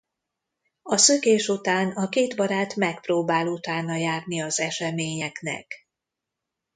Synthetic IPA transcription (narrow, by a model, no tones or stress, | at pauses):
ɒsøkeːʃut̪aːnɒkeːd̪bɒɾaːt̪mɛkproːbaːlut̪aːnːɒjaːrniɒzɛʃɛmeːɲɛknɛ̰k